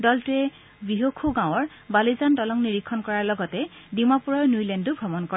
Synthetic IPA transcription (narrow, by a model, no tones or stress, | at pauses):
dɔltuɛ | biɦokʰuɡãw̃ɔɹ | balizantɔlɔŋniɹikʰːɔnkɔɹaɹlɔɡɔtɛdimapuɹɔɹnjulɛndubʱɔmɔnkɔɹ